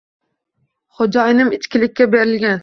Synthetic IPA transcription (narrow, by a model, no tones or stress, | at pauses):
χod͡ʒɒjnɪmɪt͡ʃkʲɪlɪk̚ʲːabeɾɪlɡʲan